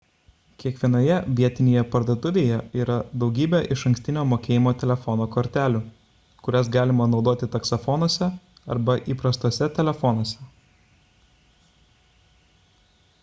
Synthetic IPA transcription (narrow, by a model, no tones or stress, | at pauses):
kʲiɛkʋʲiɛnoːjɛʋʲiɛt̪ʲɪnʲeːjɛpɐɾd̪oːt̪ʊʋʲeːjɛiːɾɐd̪ɒʊɡʲiːbʲɛʔɪʃɐŋʲksʲt̪ʲɪnʲoːmoːkʲeːjɪmoːt̪ʲɛlʲɛfɔnoːkoːɾʲt̪ʲæːlʲu | kʊɾʲɛsɡɑːlʲɪmɐnɒʊd̪oːt̪ʲɪt̪ɐksofɔnoːsʲɛ | ɐ̰ɾbɐʔiːpɾɐst̪oɔːsʲɛt̪ʲɛlʲɛfɔnoːsʲɛ